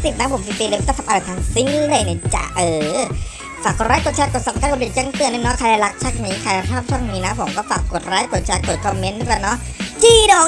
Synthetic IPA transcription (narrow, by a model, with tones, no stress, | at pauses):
si˨˩na˧˦˥pʰo˩˦mfiː˧fiː˧laː˧˩a˧˩ʔa˧˨a˨˩t̪ʰaː˧ŋsi˦˥ŋ˧le˧˩jna˧˩t͡ɕa̰˨˩ʔɤː˨˧˩ | faː˨˩k̚ɾaː˦˥jko˨˩t̚t͡ɕʰaː˧˥ko˨˩t̪̚sɔː˨˩kaː˥˩k̪̚ːi˨˩t͡ɕa˧˥˩ŋt̪ɯ˧əni˧˥˩nɔ˦˥kʰa˧la˧˩la˧˦˥k̚t͡ɕʰa˦˥˩k̚niː˦˥kʰa˧jla˧t͡ɕʰɔː˥˩p̚t͡ɕʰɔː˥˩˨ŋniː˦˥na˦˥pʰo˨˩˦mkɔː˥˩faː˨˩kːo˨˩t̪̚ɾaː˦˥ko˨˩t̪̚t͡ɕʰaː˧˥t̪̚ko˨˩t̪̚kʰɔ˧mːe˦˥ndu˧˩ka˧˩nɔ˦˥ʔt͡ɕiː˧˩dɔː˨˩